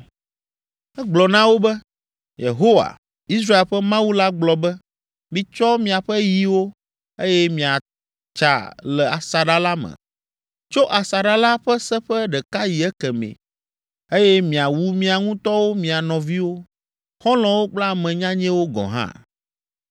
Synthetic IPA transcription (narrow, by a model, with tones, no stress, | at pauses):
ɛ˦ɡ͡blɔ˨nã˦wo˦bɛ˦ | jḛ˨ɦo˦wa̰˨ | i˦sɾa˦e˨lɸɛ˦mã˦wu˦la˦ɡ͡blɔ˨bɛ˦ | mĩ˨t͡ʃɔ˦mĩ˨a˨ɸɛ˦ji˨wo˦ | e˦jɛ˦mĩ˨a˨ | t͡ʃa̰˨lɛ˨a˨sa˨ɖa˦la˦mɛ̰̃˨ | t͡ʃo˦ʔa˨sa˨ɖa˦la˦ɸɛ˦sɛ˦ɸɛ˦ɖɛ˨ka˦ji˨ɛ˦kɛ˨mḛ̃˨ | e˦jɛ˦mĩ˨a˨wu˦mĩ˨˦a˨ŋũ˦t̪ɔ˦wo˦mĩ˨a˨nɔ̃˨vi˦wo˦ | xɔ̃˦lɔ̃˨wo˦k͡pla˦˨mɛ̃˨ɲã˦ɲɛ̃˦wo˦ɡɔ̰̃˨ɦã̰˦